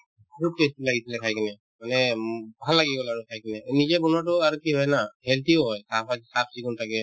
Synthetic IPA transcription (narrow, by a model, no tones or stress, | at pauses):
aɹukestulaɡitʰilɛkʰajkɛnɛ | manɛbʱalːaɡiɡɔlaɹukʰajkɛnɛnizɛbɔnatɔaɹukiɦɔjɛnahɛltioɦɔjsapʰasap̚ʰsikɔntʰakɛ